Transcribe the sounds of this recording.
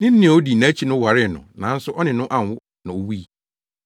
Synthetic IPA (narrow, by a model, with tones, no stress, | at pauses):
nɪ̃˦n̩ː˦ɪ̃˨o˦di˨nã˨˦t͡ɕʰi˦nʊ̃˦wa˨ɾɪ˦˨nʊ̰̃˨nã˨˦n̩˦sʊ˦ʔɔ˦nɪ̃˨nʊ̃˦ʔã˨n˨wʊ˦ | nã˨o˨wi˦˨